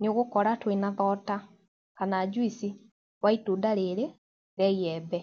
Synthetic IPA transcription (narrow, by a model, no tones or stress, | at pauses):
nioɣukɔɾatwinaðɔta | kanaːd͡ʒwisi | waitudaleɾe | ɾɛjɛːbɛ